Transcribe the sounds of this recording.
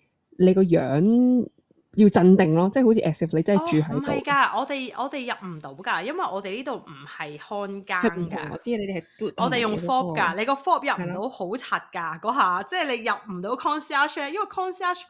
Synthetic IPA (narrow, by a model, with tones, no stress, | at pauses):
le˨˧jkɔː˧jœː˨˥ŋ | ji˧wt͡sɐ˧nt̪ɪ˨ŋlɔː˥t͡sɛː˥˩ho˥wt͡sʰiː˧ʔɛ˨k̚sɪ˨fle˧t͡sɐ˥nːɐ˨t͡ʃyː˨˧ɦɐ˨˦j̪o˨jkaː˧ʔɔː˨˧t̪e˨jʔɔ̰ː˨˧t̪e˨jːɐ˨p̚m̩˨˩t̪o˨˥wkaː˧jɐ˥nwɐ˨jʔɔː˨˧t̪e˨jliː˥t̪o˨wm̩˨˩hɐ˨jhɔː˥nkaːɐ˨˩ŋm̩˨t̪ʰʊ̰˨˧˩ŋɔ̰ː˧t͡siː˧˥˧le˧t̪e˨˩hɐ˨˩kuː˨˩t̚ɔː˨˧t̪e˨jʊ˨ŋfɔː˥p̚kɐ˧le˨˧jkɔː˧fɔː˥p̚jɐ˨p̚m̩˨˩t̪o˨˧˥who˨˥wt͡sʰɐ˨t̚kaː˧kɔː˨˥ɦaː˨t͡sɛː˥˩jle˨˧jjɐ˨p̚m̩˨˩t̪o˨˥wkʰɔː˥nsi˥aː˥ʃɛ˥jɐ˥nwɐ˨˩jkʰɔː˥nsi˥aː˥ʃ